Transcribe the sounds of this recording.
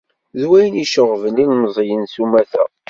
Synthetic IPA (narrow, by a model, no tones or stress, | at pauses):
ðwæjəniʃəʁvənilmzˤjənsumæθæ̰